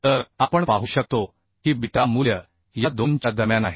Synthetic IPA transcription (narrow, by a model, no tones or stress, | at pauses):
t̪əɾapəɳpaɦuɕək̚t̪o | kiːbiʈamuljə | jad̪ont͡ɕad̪əmjanaɦi